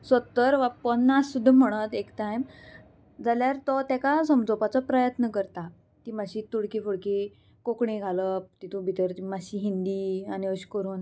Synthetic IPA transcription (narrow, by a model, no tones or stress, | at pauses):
sət̪əɾʋapənːasud̪ʱːam̤əɽ̃ət̪ekt̪ajm | d͡zaljaɾt̪ɔt̪jakasəmd͡zopat͡sɔpɾəjət̪nəkəɾt̪a | t̪imaɕiːt̪uɽkefoɽke | kokɳiɡʱaləp̚t̪it̪ũbʱit̪əɾt̪imaɕiːɦind̪iːaniəɕkəɾuːn